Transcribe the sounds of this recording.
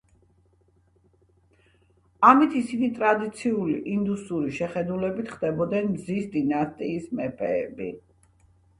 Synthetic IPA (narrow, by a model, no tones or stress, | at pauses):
amit̪ʰisinit̪ʼɾad̪it̪sʰiulḭʔind̪usuɾiʃɛχɛd̪ulɛbit̪ʰχd̪ɛbɔd̪nɛnmzisd̪inast̪ʼiːsmɛpʰɛːbi